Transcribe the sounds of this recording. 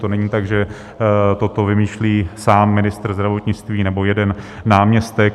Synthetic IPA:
t̪onɛɲiːt̪aɡʒɛ | t̪o̞t̪o̞vɪmiːʃliːsaːmːɪnɪst̪r̩zd̪ɾavo̞t̪ɲɪt͡st̪viːnɛbo̞jɛdɛnː | aːmɲɛst̪ɛk

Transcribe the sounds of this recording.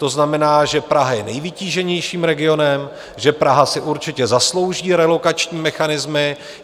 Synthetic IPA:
t̪o̞znamɛnaːʒɛpɾaɦajɛnɛjvɪciːʒɛɲɛjʃiːmɾɛɡɪo̞nɛm | ʒɛpɾaɦasɪʔuɾt͡ʃɪcɛzaslo̞wʒiːɾɛlo̞kat͡ʃɲiːmɛxanɪzmɪ

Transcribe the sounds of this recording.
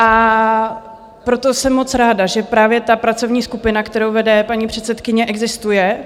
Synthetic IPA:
ʔa | pɾo̞t̪osɛmːo̞t̪t͡sɾaːdaʒɛpɾaːvjɛt̪apɾat͡so̞vɲiːskupɪnakt̪ɛɾowvɛdɛpaɲipr̝̥ɛt̪sɛt̪kɪɲɛʔɛɡzɪst̪ujɛ

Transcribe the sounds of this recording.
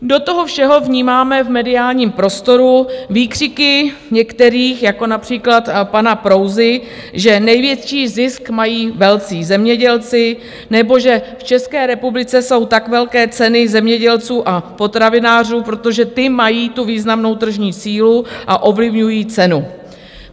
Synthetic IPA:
do̞t̪o̞ɦo̞fʃɛɦo̞vɲiːmaːmɛvmɛdɪaːlɲiːmpɾo̞st̪o̞ɾuviːkr̥ɪkɪ | ɲɛkt̪ɛɾiːxjako̞napr̝̥iːklat̪panapɾo̞wzɪ | ʒɛnɛjvjɛt̪t͡ʃiːzɪskmajiːvɛlt͡siːzɛmɲɛɟɛlt͡sɪ | nɛbo̞ʒɛft͡ʃɛskɛːɾɛpublɪt͡sɛso̞wt̪akvɛlkɛːt͡sɛnɪzɛmɲɛɟɛlt͡suːʔapo̞t̪ɾavɪnaːr̝uːpɾo̞t̪oʒɛt̪ɪmajiːt̪uviːznamno̞wt̪r̩ʒɲiːsiːluʔaʔo̞vlɪvɲujiːt͡sɛnu

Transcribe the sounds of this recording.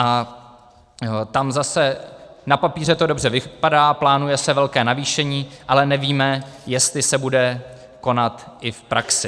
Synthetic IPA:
ʔa | t̪amzasɛnapapiːr̝ɛt̪o̞dobr̝ɛvɪpadaːplaːnujɛsɛvɛlkɛːnaviːʃɛɲiːʔalɛnɛviːmɛjɛst̪lɪsɛbudɛ | ko̞nat̪ʔɪfpɾʔaksɪ

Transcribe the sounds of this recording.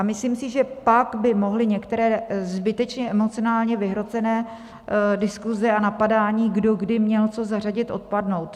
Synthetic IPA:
ʔamɪsliːmsɪʒɛpaɡbɪmo̞ɦlɪɲɛkt̪ɛɾɛːzbɪt̪ɛt͡ʃɲɛʔɛmo̞t͡sɪonaːlɲɛvɪɦɾo̞t͡sɛnɛː | dɪskuzɛanapadaːɲiːɡdo̞ɡdɪmɲɛlt͡so̞zar̝aɟɪt̪ʔo̞̰t̪̚padno̞wt̪

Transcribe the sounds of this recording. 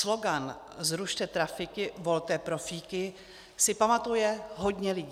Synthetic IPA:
slo̞ɡan | zɾuʃt̪ɛt̪ɾafɪkɪvo̞lt̪ɛːpɾofiːkɪ | sɪpamat̪ujɛɦo̞ɟɲɛlɪɟ

